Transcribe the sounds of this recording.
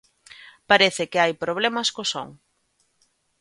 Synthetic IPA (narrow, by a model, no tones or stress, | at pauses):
paɾɛθɪkeajpɾoβ̞lɛmɐskoso̰ŋ